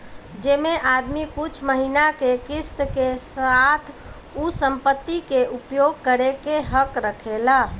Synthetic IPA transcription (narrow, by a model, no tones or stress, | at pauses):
d͡ʒemeʔad̪mikut͡ʃʰməɦinakekist̪kesat̪ʰ | usəmpət̪ːikeʔupjoɡ̚kəɾekeɦəkɾəkʰela